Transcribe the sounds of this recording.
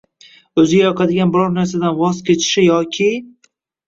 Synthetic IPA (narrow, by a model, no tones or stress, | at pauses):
ɵzɪɡʲajɒqʰɑd̪ɪɡʲanbɪɾɒɾnaɾs̬ad̪anvɒzkʲʰe̞t͡ʃʰɪ̥ʃɪjɒkʲʰɪ